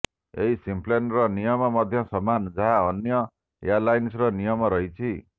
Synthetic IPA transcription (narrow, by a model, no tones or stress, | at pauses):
ḛɦisimplenrʌnijʌmʌmʌd̪ʱjʌ̃sʌmːand͡zaɦaʌnjʌ | ḛjarlajnsrʌnijʌmʌɾʌɦit͡sʰi